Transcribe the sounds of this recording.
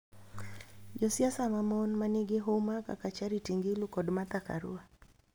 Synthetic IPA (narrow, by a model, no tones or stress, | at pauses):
d͡ʒɔsiasamamɔnmaniɡeɦomaka̰kat͡ʃaɾitiŋɡilukɔdmat̪aka̰ɾṵa